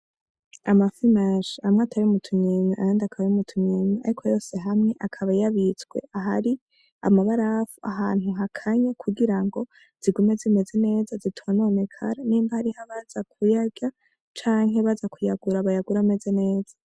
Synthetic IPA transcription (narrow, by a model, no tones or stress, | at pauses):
amafinaʃamŋatʰaɾiumutʰuɲeɲeʔajaːndiakʰaβaiumutʰuɲemea̰ɾikʰo̞jo̞ːse̞ɦamŋe̞ʔakʰaβajaβit͡sɡwe̞̰aɦaɾi | a̰maβaɾafuʔaɦaːnuɦakʰaɲakʰuɡiɾaŋɡo̞ | z̥iɡume̞zime̞ze̞ne̞ːzazitʰumanoːme̞kʰa̰ɾaniːmbahaɾihoβaz̥akʰujaɟa | t͡ʃaːŋɦeβazakʰujaɡuɾaβajaɡuɾame̞ze̞ne̞ːz̥a